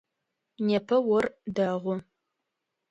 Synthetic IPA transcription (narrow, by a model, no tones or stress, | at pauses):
nepʰɐwɔrdɐʁʷʊ